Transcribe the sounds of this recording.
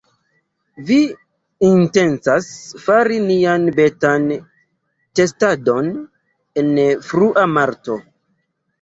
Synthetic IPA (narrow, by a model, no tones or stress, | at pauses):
vi | inte̞nt͡sasfaɾinianbe̞tan | te̞stado̞n | e̞nfɾuʔamaɾto̞